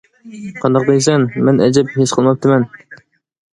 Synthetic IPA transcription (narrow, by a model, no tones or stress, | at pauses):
qʰɑnd̪ɑq̚d̪ekʲsɛnmɛnɛd͡ʒɪpheʃqʰəlˠmɑp̚t̪ʰɨmɛn